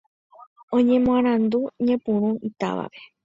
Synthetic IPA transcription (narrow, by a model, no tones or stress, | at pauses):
õɲẽ̞mõãɾ̃ãnd̪uɲẽpũɾ̃ũit̪a̰ʋa̰ʋe̞